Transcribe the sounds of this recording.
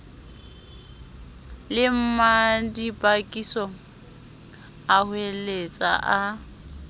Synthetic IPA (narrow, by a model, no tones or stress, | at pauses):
lɪm̩madipʼakʼisɔ | ahwelet͡sʼa̰ʔa